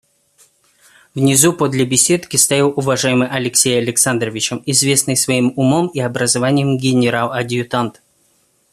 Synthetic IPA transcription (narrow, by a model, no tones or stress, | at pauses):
vnʲɪzupod̪lʲəbʲɪsʲe̞t̪kʲɪst̪ajʲilˠʊvɐʐajɪmɨjʔɐlʲɪksʲejɐlʲɪksand̪rəvʲɪt͡ɕəmɪzvʲe̞snɨjsvɐimʊmomiɐbɾəzɐvanʲɪjəmɡʲɪnʲɪɾalˠɐdʲɪʊt̪ant̪